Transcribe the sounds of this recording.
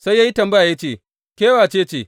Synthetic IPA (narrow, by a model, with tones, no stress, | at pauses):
sa˦jːa˦ji˦tɐ˨mbɐ˦ja˨ja˦t͡ʃeː˦˨ | kʲeː˦waː˨t͡ʃeː˦t͡ʃeː˦˨